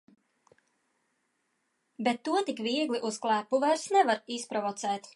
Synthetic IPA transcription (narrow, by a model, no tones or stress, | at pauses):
bɛt̪ːuɔt̪ikviɛɡlʲiʔusklˠæːpːuvɛɾsnɛvaɾispɾɔvɔt̪sɛːt̪